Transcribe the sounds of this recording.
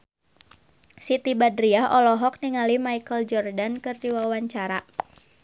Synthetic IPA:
sit̪ibadɾiaɦʔɔlɔɦɔk̚niŋalimaikəld͡ʒɔrdankɨrdiwawaɲt͡ʃaɾa

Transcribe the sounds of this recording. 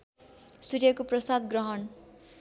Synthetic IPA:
surjʌkoprʌsad̪ɡrʌɦʌn

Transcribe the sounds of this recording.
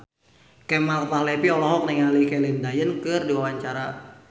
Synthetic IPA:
kɛmalt̪ahlɛpiɔlɔɦɔk̚niŋalikɛlindajənkɨrdiwawaɲt͡ʃaɾa

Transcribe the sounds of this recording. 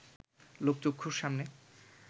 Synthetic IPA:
lok̚t͡ɕokʰːuɾʃamne

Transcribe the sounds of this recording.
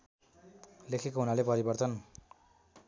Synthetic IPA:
lekʰekoɦunalepʌɾibʌrt̪ʌn

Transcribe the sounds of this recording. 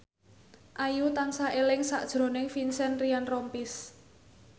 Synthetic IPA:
ʔajut̪ansaʔelɪŋsa̰ʔd̥ʒ̥ɾo̤nɪŋfinsɛnrianrɔmpis

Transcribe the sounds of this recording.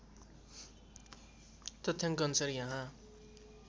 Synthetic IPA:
t̪ʌt̪ʰːjãŋkʌnsʌɾjãɦã

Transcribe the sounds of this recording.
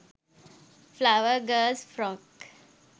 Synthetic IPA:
flaʊəɾɡəzfɾɔk

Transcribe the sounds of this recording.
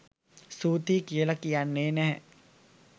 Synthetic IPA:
suːt̪iːkielakijanːeːnɛɦɛ

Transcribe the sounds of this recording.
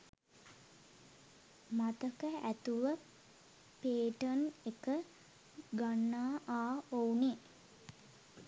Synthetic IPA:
mat̪əkəæt̪uʋə | peːʈənekə | ɡanːaːʔaːoune

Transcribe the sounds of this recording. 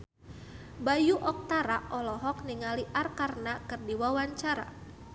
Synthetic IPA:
bajuʔɔk̚t̪aɾaʔɔlɔɦɔk̚niŋaliʔarkarnakɨrdiwawaɲt͡ʃaɾa̰

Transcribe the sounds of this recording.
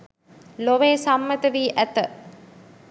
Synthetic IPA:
loʋeːsamːət̪əʋiːʔæt̪ə

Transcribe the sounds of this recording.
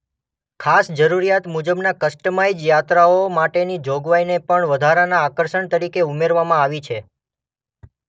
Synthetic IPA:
kʰasd͡ʒəɾuɾijat̪mud͡ʒəbnakəsʈəmajd͡ʒjat̪ɾaomaʈenid͡ʒoɡʋajnepəɳʋəd̪ʱaɾanaːkəɾʃəɳt̪əɾikeumeɾʋamãaʋit͡ʃʰe

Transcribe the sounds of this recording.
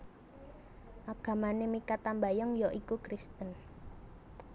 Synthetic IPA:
ʔaɡ̥a̤manemikat̪ambajɔŋjoʔikukɾist̪ən

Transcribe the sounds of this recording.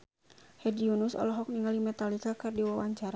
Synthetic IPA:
hɛdiunʊsɔ̰lɔɦɔk̚niŋalimɛt̪alikakɨrdiwawaɲt͡ʃaɾa

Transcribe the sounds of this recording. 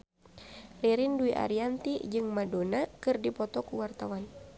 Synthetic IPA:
riɾinduiʔa̰ɾiant̪id͡ʒɨŋmadonakɨrdipɔt̪ɔkuwart̪awan

